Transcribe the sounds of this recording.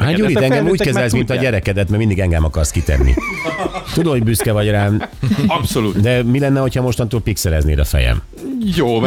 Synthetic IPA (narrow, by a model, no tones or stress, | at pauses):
haːuːɾit̪ɛŋɡɛmuːckɛzɛlsmint̪ɒɟɛɾɛkɛd̪ɛt̪mɛɾmind̪iɡɛŋɡɛmɒkɒrskit̪ɛ̰nːḭ | t̪ud̪omhoɟbyskɛvɒɟraːnpsolud̪ɛmilɛnːɛho̞chɒmo̞ʃt̪ont̪uːlpiksɛlɛznḛːɾɒ̰fɛ̰jɛ̰m | joː